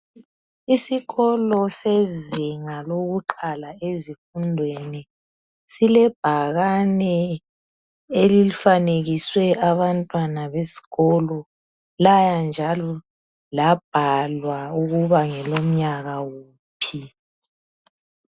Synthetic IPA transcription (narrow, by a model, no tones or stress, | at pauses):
isiɣɔlɔseziŋaloɣuǃalaezifundʱweni | silɛb̥ʱaɣanɛ | elilifaneɣiswɛʔaβantʼwanaβesi̥ɣɔlɔ | lajand͡ʒʱalɔ | lab̥̚ʱalwauɣuβaŋɛlom̩ɲaɣawuː | pʰi